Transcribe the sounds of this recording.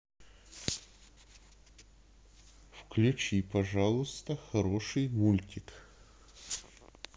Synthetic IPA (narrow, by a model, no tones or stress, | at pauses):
fklʲʉt͡ɕipɐʐalˠʊst̪əxɐɾoʂɨjmulʲtʲɪk